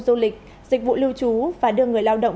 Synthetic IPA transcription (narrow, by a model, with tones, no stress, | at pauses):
zu˧lï˨˩k̟̚ | zï˨˩k̟̚vṵ˧˨lɨ˧wt͡ɕu˨˦vaː˨˩ɗɨ˧əŋɨ˨˩əjlaː˧wɗə̰˧˨wŋ͡m